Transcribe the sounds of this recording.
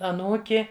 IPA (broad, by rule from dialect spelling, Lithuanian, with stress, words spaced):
ɐˈnuːkʲɪ